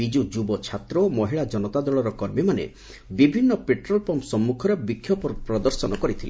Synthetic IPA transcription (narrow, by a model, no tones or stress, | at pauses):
id͡ʒud͡ʒubɔt͡ʃʰat̪ɾɔmɔɦiɭad͡ʒɔnɔt̪ad̪ɔɭɔɾɔkɔɾmimanḛ | bibʱinːɔpeʈɾɔlpɔmpsɔmːukʰɔɾebikʰːjɔpɔpɾɔd̪ɔɾsɔnɔkɔɾit̪ʰile